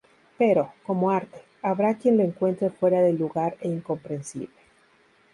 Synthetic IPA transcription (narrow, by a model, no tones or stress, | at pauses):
pe̞ɾo̞ko̞mo̞aɾt̪e̥ | aβɾakje̞nlo̞eŋkwe̞nt̪ɾe̞fwe̞ɾaðeluɣaɾeiŋko̞mpɾe̞nsḭβle